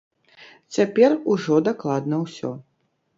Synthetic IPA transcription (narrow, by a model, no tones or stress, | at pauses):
t͡sʲapʲɛruʐɔd̪aklˠad̪nɐwsʲɔ̰